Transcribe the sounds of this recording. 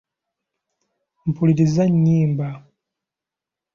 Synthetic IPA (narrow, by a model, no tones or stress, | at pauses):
m̩puliɾizaɲːiːmba